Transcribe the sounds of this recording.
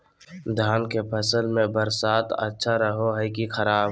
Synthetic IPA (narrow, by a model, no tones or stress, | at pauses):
d̪ʱjaːnkepʰəsəlmẽbəɾsaːt̪ə̰tːʃʰaɾəɦoɦɛkixəɾaːb